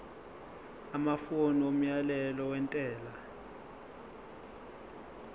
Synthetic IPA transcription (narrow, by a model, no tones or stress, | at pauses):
amafoniom̩jalɛlɔwɛntʼɛːla